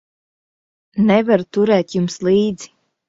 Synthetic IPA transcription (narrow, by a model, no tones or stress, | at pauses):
nɛvaɾt̪uɾɛːt̪jumslˠiːd̪zi̥